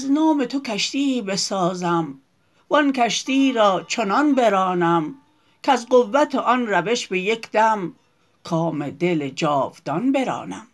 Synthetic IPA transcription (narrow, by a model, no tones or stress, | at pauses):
znɔːmet̪ʰokʰæʃt̪ibesɒːzæm | vɒnkʰæʃt̪iːɾɒːt͡ʃʰonɒnbeɾɒːnæm | kʰæzqovːæt̪ʰeʔɒnɾæveʃbejekd̪æm | kʰɒːmed̪eled͡ʒɒːvd̪̥ɒnbeɾɒ̰ːnæ̰m